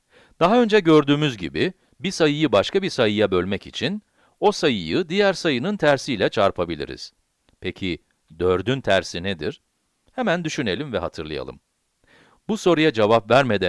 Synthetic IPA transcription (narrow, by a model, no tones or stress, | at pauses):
d̪̥aɦaø̞nd͡ʒɛɟø̞ɾd̪yːmyzɟḭbi | bisajɯjɯbaʃkʰabisajɯjabø̞lʲmɛcḭt͡ʃʰin | o̞sajɯjɯd̪ijæɾsajɯnɯnt̪ʰæɾsijlʲɛt͡ʃʰaɾpʰabilʲḭɾḭz̥ | pʰecʰi | d̪øɾd̪ynt̪ʰæɾsined̪ḭɾ̥ | hemænd̪yʃyne̞lʲimvɛɦat̪ʰɯɾlˠaja̰lˠɯ̰m | buso̞ɾujad͡ʒevapvæɾmed̪æ